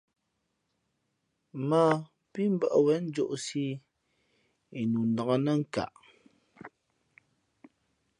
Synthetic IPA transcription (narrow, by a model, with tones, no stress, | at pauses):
ma˦˨ | pi˦m˦bə˦˨ʔwɛ˨˦n̩˦d͡ʒo̰˦˨ʔsi˦ | i˨nu˨n̩˨dɔ˨ŋə˦nə˦ŋ̩˦˨ka̰˨ʔ